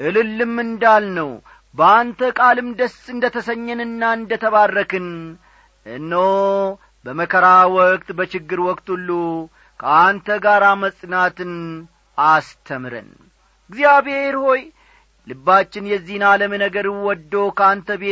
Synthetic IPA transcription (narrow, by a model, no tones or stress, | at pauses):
ʔɨlɨlːɨmːɨnd̪alnəw | bəant̪ʰəkʼalɨmd̪əsɨnd̪ət̪ʰəsəɲːɛnɨnːaɨnd̪ət̪ʰəβarːəkʰɨn | ʔɨnːəw | bəməkʰəɾawɔk̚ʼt̪bət͡ʃɪɡːɨɾwɔkʼt̪ʰulːu | kʰəant̪ʰəɡaɾaməsʼnat̪ɨn | ast̪ʰəmɾə̰n | ɨɡzijaβheheɾho̞j | lɨbːat͡ʃːɪnjɛzːihnaləmənəɡəɾwɔd̪ːowkʰəant̪ʰəbe